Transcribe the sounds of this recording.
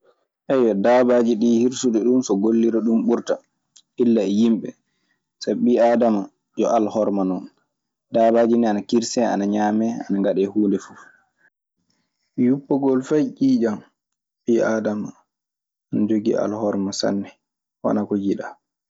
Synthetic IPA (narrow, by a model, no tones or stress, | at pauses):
ʔɛjɔdabad͡ʒiɗiːhiɾsuɗɛɗumsɔɡolːiɾɔɗumɓuɾta | ʔilːaɛjimɓɛ | sabɓiadama | jɔʔalhɔɾmanɔn | daːbaːd͡ʒinɛanakiɾsɛa̰naɲaːmɛa̰naŋɡaɗɛhuːndɛfu | jupːɔɡɔlfajʔiːd͡ʒan | ɓiadama | anad͡ʒoɡḭʔa̰lhɔɾmasa̰nːɛ | wa̰nakɔjiɗa